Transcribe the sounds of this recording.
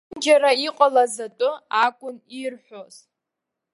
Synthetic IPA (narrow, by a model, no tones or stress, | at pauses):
d͡ʒaɾaiqʼalazatʼʊakʷʼʊnirħʷoz̥